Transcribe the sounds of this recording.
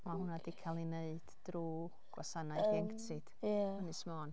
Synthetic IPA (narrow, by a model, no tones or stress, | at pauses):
mahʊnadikʰalˠineɨd̥d̥ruː | ɡ̥wasanajɛŋktʰɨd̥aənɨsmɔːn